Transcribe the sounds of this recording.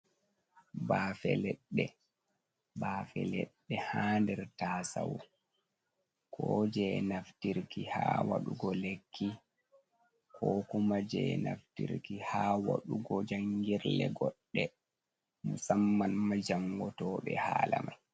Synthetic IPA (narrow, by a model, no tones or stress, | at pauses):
baːfɛlɛɗːɛ | baːfɛlɛɗːɛhaːndɛɾtaːsawɔ | kʰɔd͡ʒɛnaftiɾkihaːwaɗuɡɔlekʰːi | kʰɔkumad͡ʒɛnaftḭɾkihaːwaɗuɡɔd͡ʒaŋɡiɾlɛɡɔɗːɛ | musamːanmad͡ʒaŋɡɔtɔːɓɛhaːlamaj